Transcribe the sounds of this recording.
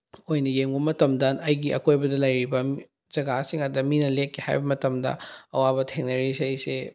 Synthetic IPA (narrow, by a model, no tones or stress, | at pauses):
ojnɐjeŋbɐmɐtɐmdɐɐjɡiʔɐ̰kʰojbɐdɐlɐjɾibɐ | z̥ɐɡasiŋɐdɐminɐlekʰːiha̰jbɐmɐtɐmdɐ̰ɐ̰wabɐtʰeŋnɐɾisɐjse